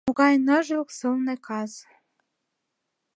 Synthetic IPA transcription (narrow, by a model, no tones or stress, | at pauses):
moɣɑjnɤ̆ʒksɤ̆lnekʰɑz